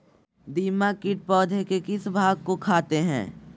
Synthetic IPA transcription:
d̪iːmakɪʈ̚pɔːd̪ʱekekɪsbʱaːɡ̚kokʰaːt̪eɦɛ̰̃ː

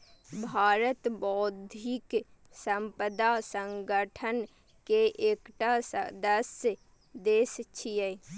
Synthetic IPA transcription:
bʱaːɾət̪bɔːd̪ʱik | səmpəd̪asə̃ŋɡəʈʰən | keʔeːkʈasə̰d̪əs | d̪eːst͡ʃʰijə

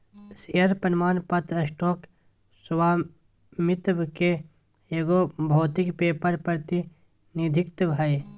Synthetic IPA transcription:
sijɐɾpɐnmaːnpɐt̪ɾəsʈoːk | swaː | mɪt̪bke | eɡoːbʱoːt̪ikpeːpəɾpəɾt̪i | nid̪ʱɪkt̪bʱɐj

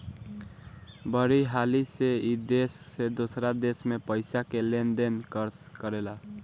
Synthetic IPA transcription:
bəɾiɦaliseid̪esːed̪osɾad̪esmepəjsakelend̪enkəɾskəɾela

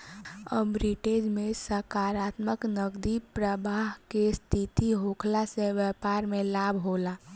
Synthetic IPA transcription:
ə̰mɾiʈeːd͡ʒmẽsəkaːɾaːt̪məknəɡd̪ipɾəbaːɦkest̪ʰit̪iɦoːkʰlaseʋjəpaːɾmẽlaːbʱɦolaː

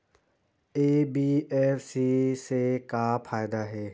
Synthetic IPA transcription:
eːbieːfsisekapʰaːjd̪aɦɛː

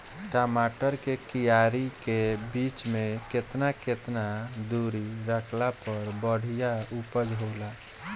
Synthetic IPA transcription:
ʈamaʈəɾkekijaɾikebit͡ʃmeket̪naket̪nad̪uɾiɾəkʰlapəɾbəɽ̤ijaupəd͡ʒɦola

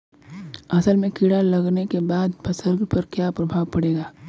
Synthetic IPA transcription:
ɐsəlmẽkiɽalɐɡnekebaːd̪̚pʰɐsəɾɡpɐɾkjapɾɐbʱaːʋpɐɽeːɡaː

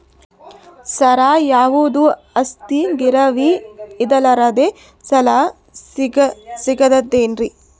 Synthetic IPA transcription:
sɐɾaːjaːʋud̪u | ɐst̪iɡiɾɐʋiːd̪ɐlɐɾɐd̪e | sɐlaː | siɡɐsiɡɐd̪ɐd̪ːeːnɾi

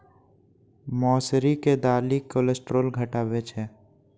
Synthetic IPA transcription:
mɔːsɾiked̪aːlikolesʈɾoːlɡʱəʈaːwet͡ʃʰɛː

